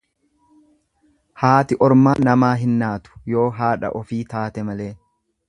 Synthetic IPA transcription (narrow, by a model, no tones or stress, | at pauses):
haːt̪ɪʔɔɾmaːnɐmaːɦɪnːaːt̪ʊ̥jo̞ːɦaːᶑɐ̰ʔɔfiːt̪aːt̪ɛmɐle̞ː